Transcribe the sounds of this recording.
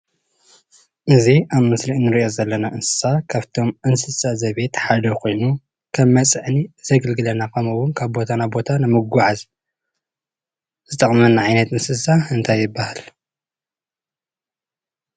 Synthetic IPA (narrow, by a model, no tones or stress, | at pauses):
ʔɨziʔammɨsliʔnɨɾiʔo̞zɐlːɐnaʔɨnsɨ̥sakʰaβt̪ʰo̞mʔɨnsɨsazɐβe̞t̪ħad̪ɐkʰo̞jnu | kʰɐmːɐt͡sʼɨʕnizɐɡɨlɡɨlɐnakʰɐmɐwʊnkʰaβbo̞t̪ʰanabo̞t̪ʰanɨmɨɡʷuʕaz | zɨt̪ʼɐχʼmɐnːaʕajnɐt̪ɨnsɨsaɨnt̪ʰajːɪbːahal